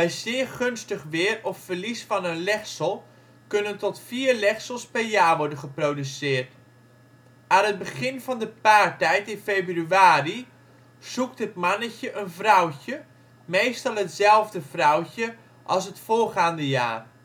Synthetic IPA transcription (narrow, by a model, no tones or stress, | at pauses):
ʋɛjzɪːəɹχɵnstəχʋɪːrɔpfəɹlisfɑnənlɛxsəlˠ | kɵnəntɔtfiːɹlɛχsəlˠspɛɹjaːɹʋɔɹdənχəprowdysɪːɹt | aːnɦəd̚bəχɪnvɑndəpaːɹtɛjtɪnfejbryaːri | z̥uktɦətmɑnəcəʔənvrʌwcə | mejstɑlˠɦətzɛlˠvdəvrʌwcə | ʔɑlˠs̬ɦətfʊːɹχaːndəja̰ːr